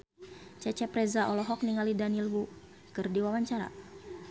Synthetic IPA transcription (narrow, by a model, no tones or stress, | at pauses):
t͡ʃɛt͡ʃɛpɾɛzaʔɔlɔɦɔk̚niŋalidanilwu | kɨrdiwawaɲt͡ʃaɾa̰